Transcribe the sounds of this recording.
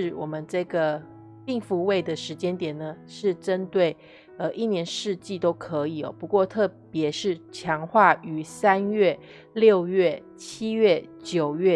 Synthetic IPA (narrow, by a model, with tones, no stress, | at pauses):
ɻ̩˥˩wɔ˨˩mə˦nʈ͡ʂɤ˥˩ɡə˩ | pi˥˩ŋfu˧˥we˥˩ɪd̪ə˩ʂɻ̩˧˥t͡ɕjɛ˥nt̪jɛ˨˩nə˩ʂɻ̩˥˩ʈ͡ʂə˦˥nt̪we˥˩ɪ | ə˧ʔi˥˩njɛ˧˥nʂɻ̩˥˧t͡ɕi˥˩t̪o˥ʊkʰɤ˧˥i˨˩ɔ̰˨˩pu˧˥kwɔ˥˧t̪ʰɤ˥˩pjɛ˧˥ʂɻ̩˥˩t͡ɕʰjɑ˧˥ŋxwa˥˩y˧˥sa˥nɥɛ˥˩ | ljo˥˧ʊjɥɛ˥˩ | t͡ɕʰi˥ɥɛ˥˩t͡ɕjo˨˩ʊɥɛ˥˩